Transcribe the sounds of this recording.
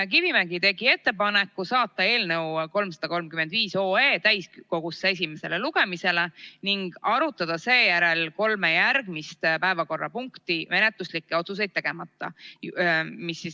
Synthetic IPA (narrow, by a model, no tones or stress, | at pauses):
k̬ivimæɡ̥it̪e̞ɡ̥ie̞t̪ːe̞pɑnekːˑusɑːt̪ːˑɑe̞ːlne̞wko̞lmsɑ̥d̪̥ɑko̞lmkymend̪viːso̞ːeːt̪æjsko̞ɡ̥usːee̞s̬ʲime̞se̞le̞luɡ̥e̞mise̞le̞niŋɡ̥ɑɾut̪ːˑɑd̪̥ɑse̞ːjæɾe̞lko̞lmejærɡ̥mist̪pæe̞vɑko̞rːɑ̰puŋkt̪ime̞net̪ˑluslikːˑe̞o̞t̪sus̬e̞jd̪̥̚t̪ːe̞ɡ̥e̞mɑt̪ːˑɑ̰ | misːis